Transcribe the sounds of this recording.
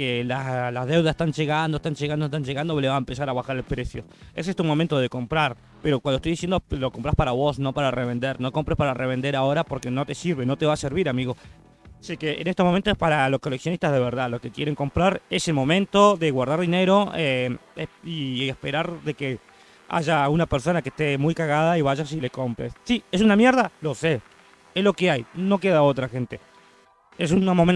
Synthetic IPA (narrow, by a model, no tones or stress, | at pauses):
kelalaðe̞wðase̥st̪anʒeɣand̪oest̪anʒeɣand̪ot̪anʒeɣand̪oleβaempesaɾaβaxaɾelpɾesjoes̬est̪umo̞mẽnt̪oð̞e̞ko̞mpɾaɾ | peɾokwand̪ot̪ojðisjend̪oloko̞mpɾaspaɾaβo̞sno̞paɾareβe̞nd̪eɾno̞ko̞mpɾespaɾareβe̞nd̪e̞ɾao̞ɾapo̞ɾke̞no̞t̪e̞siɾβeno̞t̪e̞βaseɾβiɾamiɣo | sikeḛːnest̪omo̞ment̪oespaɾalo̞sko̞leksjonist̪azðe̞βeɾðalo̞ke̞kjeɾeŋko̞mpɾaɾeselmõ̞mẽ̞nt̪o̞ðe̞ɣwaɾð̞aɾðine̞ɾo̞eeiespe̞ɾaɾðe̞ke | a̰ʒaunapeɾso̞nakeht̪emujkaɣað̞aiβaʒasileko̞mpɾḛsːies̬unamjeɾðalo̞se | ezlo̞keajno̞keðao̞t̪ɾaxe̞nt̪e̞ | es̬unamomen